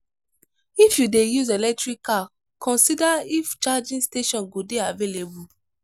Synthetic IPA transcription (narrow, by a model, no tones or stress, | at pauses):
ifjudejuzelɛk̚tɹikːa | kʰɔ̃nsidaift͡ʃad͡ʒĩnsteʃɔ̃nɡodeavelebu